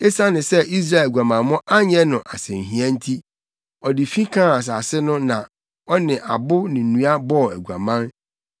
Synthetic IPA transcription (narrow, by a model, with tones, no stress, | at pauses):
e˦sa˦nɪ̃˨sɛ˦ʔi˦s̬ɾa˦˨lɡʷu˨a˨mã˨mɔ̃˦ʔa˦ɲɛ˦nʊ̃˨ʔa˨sɛ̃˨n˨ɦĩ˨˦ã˦n̩˦tʰi˦ | ɔ˨dɪ˨fĩ˦kʰãː˦˨a˨s̬aː˨sɪ˦nʊ̃˦nã˨ | ɔ˦nɪ̃˨ʔa˨bʊ˦nɪ̃˨nũ˦a˦bɔ˦˨æ˨ɡu˨a̰˨mã˦n